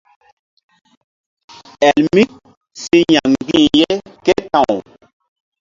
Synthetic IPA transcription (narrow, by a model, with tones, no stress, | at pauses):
ɛ˨lmi˦ | si˦ɲã˨ŋ˨ɡĩ˦˨je˦ke˦tã˨w